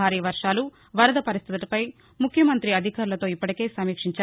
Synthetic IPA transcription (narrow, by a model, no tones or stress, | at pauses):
aːɾiːʋɐɾʂaːlu | ʋɐɾɐd̪ɐpɐɾist̪ʰit̪ipɐj | mukʰjɐmɐnt̪ɾiɐd̪ʱikaːɾulɐt̪o̞ːipːɐʈike̞ːsɐmiːkʂiɲt͡ʃa